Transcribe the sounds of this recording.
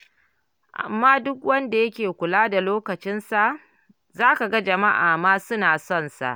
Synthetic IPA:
ʔa̰˨mːaː˦dʊ˦k̚wɐ˦nda˨jɐ˦kʲeː˨kʷʊ˨laː˦da˨loː˦kɐ˨t͡ʃɪ˦nsa˨ʔ | zaː˦ka˨ɡa˦d͡ʒɐ˨ma˦ʔaː˨maː˦sʊ˦naː˨sɔ˦˨nsa̰˨ʔ

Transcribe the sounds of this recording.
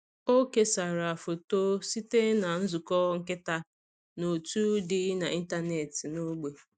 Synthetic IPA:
o˦ke˦sa˨ɾa˨fo˨to˦si˦te˦na˨n̩˦zʊ˨kɔ˦ŋ̩˦kɪ˦ta˦ | no˨tu˦dɪ˦na˨ʔi˦n˦ta˦ne˨tɪ˨no˦ɡ͡be˨

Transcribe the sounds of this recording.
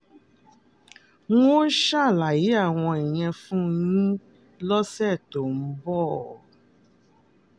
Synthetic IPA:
ŋũ˦o˦ʃa˦˨la˨ji˨˦a˦˨w̃ɔ̃˧ɛ˨j̃ɛ̃˧fũ˦˧jĩ˦ | lɔ˦sɛ˦˨to˨n̩˦bɔ˦˨

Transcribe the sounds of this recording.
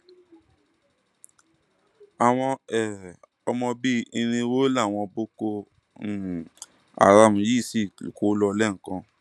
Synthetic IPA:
a˨w̃ɔ̃˧ɛ˨ | ɔ˧mɔ̃˧bi˦i˧nĩ˧wo˦la˦˨w̃ɔ̃˧bo˦ko˧˨ | a̰˨ɾa˧m̩̃˨ji˦˨si˦˨ṵ˨ko˨˦lɔ˧lɛ˦˨ŋ̩˨kã˧

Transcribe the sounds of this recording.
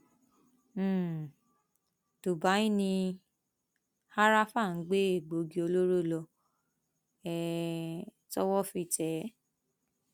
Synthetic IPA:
to˨ba˨˦ĩ˦nĩ˧ | ha˦ɾa˦fa˦˨n̩˨˦ɡ͡be˦e˦˨ɡ͡bo˨˦ɡi˧o˧lo˦ɾo˦˨lɔ˧ | ɛ˦˨ | tɔ˦wɔ˦fi˧tɛ˨˦

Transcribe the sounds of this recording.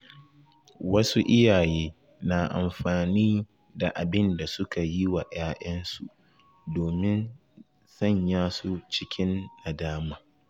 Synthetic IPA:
wɐ˦su˦ʔɪ˦jaː˨jeː˦ | na˨ʔa̰˨mɸaː˨niː˦ | da˨ʔa˨bɪ˦nda˨sʊ˦ka˨ji˦wa˨ʔaː˦ʔɐ˦nsṵ˨ʔ | doː˨mɪ˦n | sɐ˦˨ɲjaː˦su˦t͡ʃɪ˦kʲʰɪ˦na˨daː˦maː˨

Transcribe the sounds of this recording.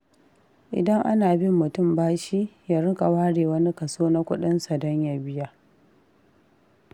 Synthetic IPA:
ʔɪ̰˨dɐ˦ŋʔa˦naː˨bɪ˦mːʊ˨tʊ˦˨mbaː˦ʃi˦jaː˦ɾɪ˦kʼa˨waː˦ɽeː˨wɐ˦ni˦kɐ˨soː˦na˦kʷʊ˦ɗɪ˦nsa˨dɔ˦ɲja˨bɪ˦ja˦

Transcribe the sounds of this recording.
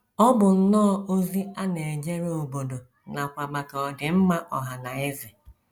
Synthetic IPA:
ɔ˦bʊ˨n̩˦nɔː˦o˦zi˦a˦ne˨e˨d͡ʒe˦ɾe˦o˨bo˨do˨ | na˨kʷa˨ma˨kɔ˨dɪ˨m̩˦ma˦ʔɔ˨ɦa˨na˨ɪ˦zɪ˨

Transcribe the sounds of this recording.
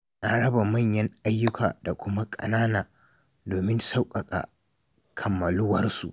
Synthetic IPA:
ʔa˨ɽɐ˦ba˨mɐ˦˨ɲjɐ˦ŋʔa˦jːʊ˦kʰa̰ː˨da˨kʷʊ˦ma˦kʼɐ̰˨naː˦naː˨ | doː˨mɪ˦nsa˦wkʼɐ˨kʼa̰˨ | kʰɐ˨mːɐ˨lʊ˦wɐ˦rsṵ˨ʔ

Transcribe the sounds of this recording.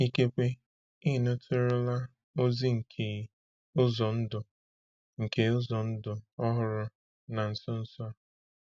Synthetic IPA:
i˦ke˦kʷe˦ | i˦˨no˦tʰʊ˦ɾʊ˦la˦ | o˦zi˦ŋ̩˨kʰe˨˦ | ʊ˦zɔ˨n̩˦dʊ˨ | ŋ̩˨ke˦ʊ˦zɔ˨n̩˦dʊ˨ɔ˦ɦʊ˨ɾʊ˦ | na˨n̩˨sɔ˦n̩˦sɔ˦

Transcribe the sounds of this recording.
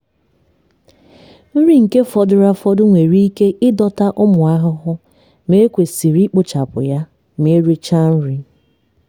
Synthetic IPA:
n̩˦ɾi˦ŋ̩˨ke˦fɔ˦dʊ˦ɾa˦fɔ˦dʊ˦ŋʷe˨ɾi˦i˦ke˦ʔɪ˦dɔ˦ta˦ʔʊ˦mʊ˨a˦ɦʊ˦ɦʊ˦ | me˦kʷe˨si˨ɾi˦k͡pʊ˦t͡ʃa˨pʊ̰˨ja˦ | m˦e˦ɾi˦t͡ʃa˦n̩˦ɾi˦

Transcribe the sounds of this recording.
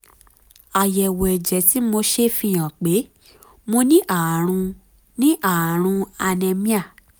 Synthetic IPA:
a˨jɛ˨wo˨ɛ˨d͡ʒɛ˨˦ti˨˦mo˧ʃe˧fĩ˧j̃ã˨k͡pe˨˦ | mo˧nĩ˦ʔa˨a˨ɾ̃ũ˧ | nĩ˦ʔa˨ɾ̃ũ˧a˧nɛ̃˧mĩ˦a˦˨

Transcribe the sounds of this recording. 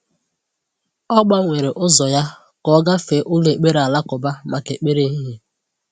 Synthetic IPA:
ɔ˦ɡ͡ba˦ŋʷe˨ɾe˨ʔʊ˦zɔ˨ja˦ | kɔ˦ɡa˦fe˨˦ʔʊ˦le˨k͡pe˦ɾa˨la˦kʊ˨ba˦ma˨ke˨k͡pe˦ɾe˦ɦi˦ɦe˦

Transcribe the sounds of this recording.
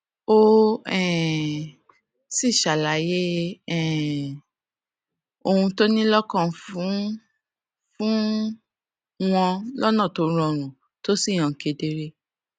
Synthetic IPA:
o˦ɛ˨ | si˦˨ʃa˨la˨˦je˦ɛ˦˨ | o˧hũ˧to˦nĩ˦lɔ˦kɔ̃˦˨fũ˨˦ | fũ˦ | w̃ɔ̃˧lɔ˦nã˦˨to˨˦ɾ̃ɔ̃˧ɾ̃ũ˨ | to˦si˦˨j̃ɔ̃˨ke˨˧˦de˧ɾe˦

